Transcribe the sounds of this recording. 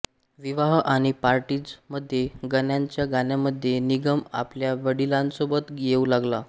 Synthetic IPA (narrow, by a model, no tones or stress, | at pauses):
ʋiʋaɦʔaɽ̃ipaɾʈiːd͡zməd̪ʱːjeɡənjaɲt͡ɕjaɡanjaməd̪ʱːjeniɡəma̰pljaʋəɽilãnsobət̪ɡieulaɡla